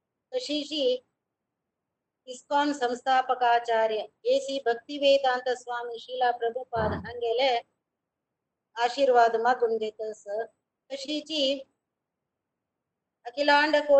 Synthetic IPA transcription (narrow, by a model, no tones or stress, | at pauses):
kɐʂiːt͡ʃi | iskoːnsɐmst̪ʰaːpɐkaːt͡ʃaːɾjɐeːsibʱɐk̚t̪iʋeːt̪aːnt̪ɐsʋaːmiʃiːlaːpɾɐbʱupaːd̪ɦɐŋɡeːle | aːʃiːɾʋaːd̪ɐmɐɡund͡ʒet̪ɐs | kɐʃiːt͡ʃi | ɐkilaːɳɖɐkoː